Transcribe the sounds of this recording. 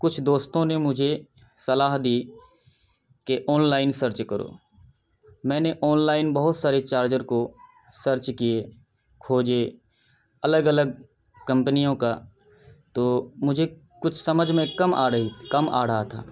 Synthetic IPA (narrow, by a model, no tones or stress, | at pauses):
kʊt͡ʃʰd̪oːst̪õnemʊd͡ʒʱe | sɐlaːɦd̪iː | keʔɔːnlaːɪnsəɾt͡ʃkəɾo̰ː | mɛ̃ːneʔɔːnlaːɪnbɐɦʊt̪saːɾet͡ʃaːɾd͡ʒəɾko | səɾt͡ʃkije | kʰoːd͡ʒe | ɐləɡələɡ̚ | kə̃mpənijõka | t̪oːmʊd͡ʒʱe | kʊt͡ʃʰsɐməd͡ʒʱmẽkɐma̰ːɽəɦikəmʔa̰ːɽ̤at̪ʰa̰ː